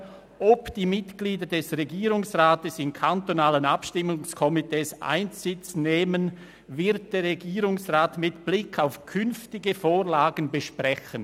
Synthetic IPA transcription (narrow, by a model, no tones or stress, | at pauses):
ʔɔpd̥iːmɪtɡ̥liːdɐdɛsʁeɡiːʁʊŋsʁaːtəsɪmkʰantonaːlənapʃtɪmʊŋskʰɔmitʰeːsʔa̰ɪnsɪt͡sneːmən | vɪɐt̚d̥eːɾʁeɡiːʁʊŋsʁaːtmɪtb̥lɪkʰaʊfkʰʏnftɪɡəfoːʁlaːɡən̩bəʃpʁɛçən